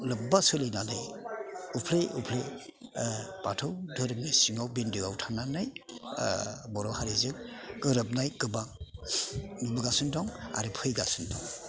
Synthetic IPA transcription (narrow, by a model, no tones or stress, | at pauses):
lɯp̚basɯlinanɯjupʰlejʔupʰlej | patʰɯwdɯɾɯmnisiŋawbindɯɡawtʰananaj | bɔɾɔwhaɾizɯkɡɯɾɯp̚najkɯbaŋ | nubɯɡasɯndɔŋa̰ɾɯpʰɯjɡasɯndɔŋ